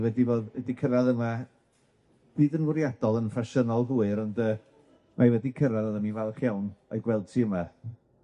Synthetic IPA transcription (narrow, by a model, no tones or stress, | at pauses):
wɛdivoːðɛdikʰəɾaðəma | d̥ɨːðənwʊɾjad̥ɔlˠənfaʃənɔlˠɦuːɨɾɔndəː | mʔavɛdikʰəɾaðəðəmivɛlˠχjawnɔ̰jɡwɛlˠtʰiəma